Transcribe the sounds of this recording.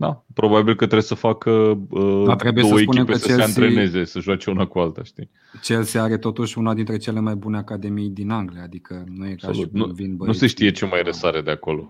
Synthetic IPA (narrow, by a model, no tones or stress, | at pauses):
d̪a̰pɾo̞babilkət̪ɾebsəfakəəd̪at̪ɾe̞bujeosəwepuknempeet͡ʃeseɨnt̪ɾene̞ze̞səʒuat͡ʃe̞unakualt̪aʃt̪i | t͡ʃe̞lseaɾe̞t̪o̞t̪uʃʲunad̪int̪ɾe̞t͡ʃe̞le̞majbune̞akad̪e̞mijd̪inaŋɡliaad̪ikʰənujekaolut̪̚nuvinbənuse̞ʃt̪ije̞t͡ʃemajɾesaɾed̪eako̞lo̞